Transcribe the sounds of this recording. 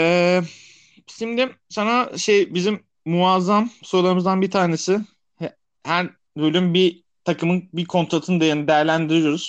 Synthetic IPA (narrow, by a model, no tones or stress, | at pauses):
ɛː | simd̪imsanaʃejbizimː | uazamsolˠaɾɯmɯzd̪anbit̪ʰaːne̞sɪ | h | hæɾ | bølʲymbi | t̪ʰakɯmɯnbikʰo̞nt̪ɾat̪ʰɯnɯd̪ejanɯd̪ɛjæɾlʲænd̪iɾijo̞ɾuz̥